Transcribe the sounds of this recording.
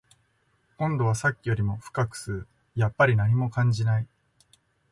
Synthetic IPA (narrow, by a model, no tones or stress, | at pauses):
kõ̞nd̪o̞β̞asakʲːijo̞ɾʲimo̞ɸɯ̟̥kakɯ̟̥sɨɾɯ | japːaɾʲinaɲ̟imo̞kãɲ̟d͡ʑinai